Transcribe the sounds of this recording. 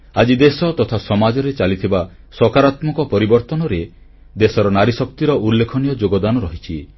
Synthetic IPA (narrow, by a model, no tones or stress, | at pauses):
ad͡ʒid̪esɔt̪ɔt̪ʰasɔmad͡ʒɔɾet͡ʃalit̪ʰiba | sɔkaɾat̪mɔkɔpɔɾibɔɾt̪ɔnɔɾe | d̪esɔɾɔnaɾisɔk̚t̪iɾɔʔulːekʰɔnijɔd͡ʒoɡɔd̪anɔɾɔɦit͡ʃʰi